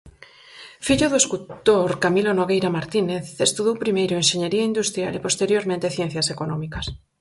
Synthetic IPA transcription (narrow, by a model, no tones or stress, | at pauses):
fiʎʊðoeskult̪oɾkamilonoɣejɾamaɾt̪ineθest̪uðowpɾimejɾʊeŋʃeɲeɾiaind̪ust̪ɾja̰lepost̪eɾjoɾmẽnt̪eθjen̟θjasekonɔ̃mikɐs